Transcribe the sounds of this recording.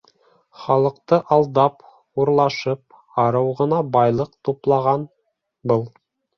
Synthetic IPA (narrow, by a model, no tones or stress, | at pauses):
χɑlˠɤ̆qt̪ɤʔɑlˠd̪ɑp | uɾlˠɑʃɤp̚ | ɑɾɤwʁɤ̆nɑbɑjlˠɤqt̪uplˠɑʁɑn | bɤlˠ